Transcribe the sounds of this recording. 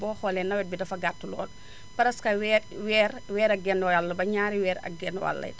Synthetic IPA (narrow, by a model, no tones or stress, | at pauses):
bɔːxɔːlɛnːɐwɛt̚bidɐfɐɡartːulɔ̰ːl | pɐɾɐskɐwɛwɛːɾwɛːɾɐɡɛnjalːɐbɐɲaːɾiwɛːɾɐ̰ɡɛnwa̰lːɐ̰j